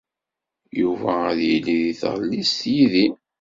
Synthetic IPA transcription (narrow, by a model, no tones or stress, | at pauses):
juvæðjəlːiðiθʁəlːist̪jiði